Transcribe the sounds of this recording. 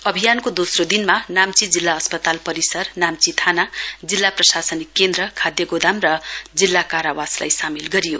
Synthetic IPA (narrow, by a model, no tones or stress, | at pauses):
ʌbʱijankod̪osrod̪inmanamt͡sid͡zilːaʌspʌt̪alpʌɾisʌrnamt͡sit̪ʰanad͡zilːaprʌsasʌnikːend̪ɾʌkʰad̪jʌɡod̪amrʌd͡zilːakaɾawasla̰jsamilɡʌɾijo